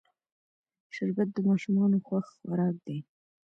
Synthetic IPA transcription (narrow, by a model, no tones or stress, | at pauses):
ʃɪɾkat̪̚d̪əmɑʃumɑnoxwaxxaɾɑk̚d̪e